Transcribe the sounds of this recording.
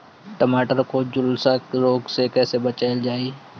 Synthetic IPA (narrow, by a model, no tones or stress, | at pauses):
ʈɐmaːʈəɾkod͡ʒʊlsakɾoːɡsekɛːsebɐt͡ʃaːɪld͡ʒaːiː